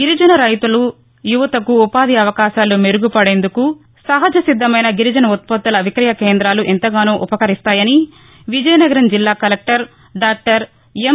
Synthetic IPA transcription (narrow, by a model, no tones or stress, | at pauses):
ɡiɾid͡ʒɐnɐɾɐjt̪ulu | juʋɐt̪ɐkuːpaːd̪iɐʋɐkaːʃaːlumeɾuɡupɐɽe̞ːnd̪uku | sɐɦɐd͡ʒɐsid̪ːɐmɐjnɐɡiɾid͡ʒɐnɐut̪̚pɐt̪ːɐlɐʋikɾɐjɐkeːnd̪ɾaːluʔent̪ɐɡaːnuːʔupɐkɐɾist̪aːjɐni | ʋid͡ʒɐjɐnɐɡɐɾɐmd͡ʒilːaːkɐlek̚ʈɐɾ | ɖaːk̚ʈɐɾ | em